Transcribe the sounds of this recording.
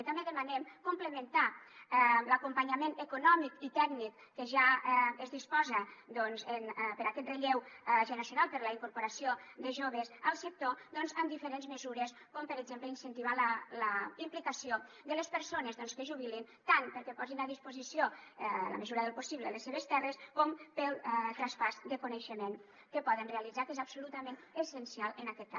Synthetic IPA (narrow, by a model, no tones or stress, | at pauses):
t̪ambeðəmanɛmkumpləment̪aɛləkumpaɲamenəkunɔmikit̪ɛɡnikːəʒaəzðispɔzəd̪ɔnzənpəɾakɛt̪reʎewʒənɾəsjunalˠpəɾləiŋkuɾpuɾasiod̪əʒoβəsəlˠsək̚t̪od̪ɔnzəmd̪ifəɾenzməzuɾəs | kɔmpəɾəɡzempləinsənt̪iβalələimplikəsio | d̪ələspəɾsonəzðɔnskəʒuβ̞ilin | t̪anpəɾkɛpɔzinaðispuzisiolə̰məzuɾəðəlˠpusiβlələsːeβ̞əst̪ɛrəskɔmpəlˠt̪ɾaspazd̪əkunəʃəmen | kəpɔðənreəlid͡zakezabsulut̪əmẽnəsənsialˠənakɛt̪̚ka